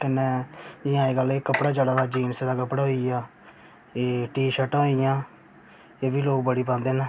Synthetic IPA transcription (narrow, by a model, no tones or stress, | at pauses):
kɪnːeːd͡ʒɪãːeːɡəleːkəpɽaːt͡ʃaːɽaːd̪aːd͡ʒiːnsed̪aːkəpɽaːɦoijaː | eːʈiːʃəʈãːɦoijãː | eːbiːloːk̚bəɽiːpãːnd̪eːnː